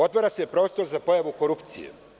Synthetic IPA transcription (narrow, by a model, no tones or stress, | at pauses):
o̞t̪moɾaseepɾo̞ːst̪o̞ɾzapo̞jaʋuko̞ɾupt̪sijḛ